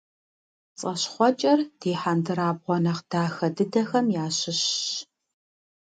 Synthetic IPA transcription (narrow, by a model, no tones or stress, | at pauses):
t͡sʼɐɕχʷɔt͡ʃʼɐrd̥eːħandɨɾaːbʁʷɔnɐqd̥aːxɐdɨdɐxɐmjaːɕɪɕ